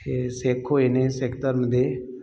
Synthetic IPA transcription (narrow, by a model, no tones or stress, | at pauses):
eseːkʰːoeneseːkʈəɾməd̪ʱje